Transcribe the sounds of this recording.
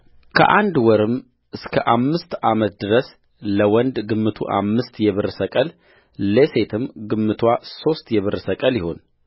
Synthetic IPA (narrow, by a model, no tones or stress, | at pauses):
kʰə̰ʔand̪wɔɾɨm | ʔɨskʰəʔamːɨst̪amət̪̚d̪ɨɾəs | ləwɔnd̪ɡɨmːɨt̪ʰṵʔa̰mːɨst̪jɛβɨɾsəkʼəl | lese̞t̪ʰɨmɡɨmːɨt̪ʰwaso̞st̪jɛβɨɾsəkʼəljɪho̞̰n